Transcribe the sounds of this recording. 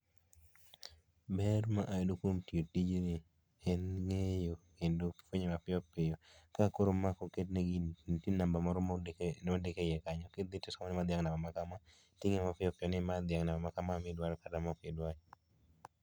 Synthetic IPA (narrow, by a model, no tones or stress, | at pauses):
bɛrmaʔadokwomtiotid͡ʒnɪ | ɛnŋejokendofwoɲemapɪɔpɪjɔkakoɾomakoketneɡintinambamaɾomɔdekejɛkaɲɔkɪd̪ɪtɪsamɔnɪmad̪jaŋnambamakama | tɪŋemapɪjɔpɪjɔnɪmad̪jaŋnabamakamamɪdwaɾɔkatamɔkɪdwaɲ